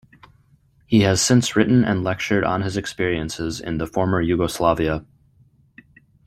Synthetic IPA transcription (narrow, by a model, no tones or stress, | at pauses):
hiɨz̥sɪ̃nsɹɪʔn̩ɨ̰̃nlɛk̚t͡ʃə˞ɾn̩ɨzɨkspɪɹiɨ̃nsɪzɪ̰̃nðəfɔɹmə˞jʉɡəslɑviə